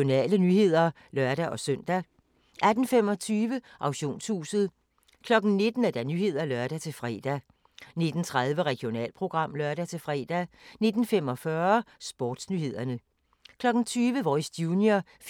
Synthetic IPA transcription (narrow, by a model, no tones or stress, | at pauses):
o̝nɛ̰ːlənyːhe̝ð̞̰ˠɐ | lɶɐ̰ɾ̥æʔɒ̽sœn̰d̥æ | ʔæd̥n̩fem̰ɒ̽t͡sʰyːʋəʔɑ̈ʊɕo̝̰ːnshṵːsð̞̩ˠ | kʰlɒ̽ɡ̥n̩ne̝d̥n̩æd̥æɐnyːhe̝ð̞̰ˠɐlɶɐɾ̥æt͡sʰe̝fʁɛ̰ːd̥æ | ne̝d̥n̩t͡sʰʁað̞ˠʋəʁɛɡ̥jo̝nɛ̰ːlpʰʁo̝ɡ̥ʁɑ̈m̰lɶɐɾ̥æt͡sʰe̝fʁɛ̰ːd̥æne̝d̥n̩femɒ̽fɶɐsb̥ɒ̰ːd̥snyːhe̝ð̰ˠɐnə | kʰlɒ̽ɡ̥n̩t͡sʰyːʋəʋɒsd̥juːnjɐ | f